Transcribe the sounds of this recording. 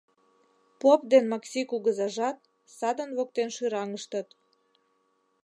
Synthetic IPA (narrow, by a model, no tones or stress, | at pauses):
popd̪enmɑksʲikuɣəzɑʒɑt̪̚ | sɑd̪ə̆nβok̚t̪enʃyɾɑŋəʃt̪ət̪